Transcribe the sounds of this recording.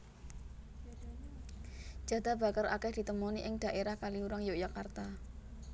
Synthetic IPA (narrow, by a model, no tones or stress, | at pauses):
d͡ʒ̥a̤d̪a̤ba̤kəɾa̰kɛhd̥i̤t̪əmoniʔɪŋd̥a̤ʔeɾahkaliuɾaŋjoʔjakart̪a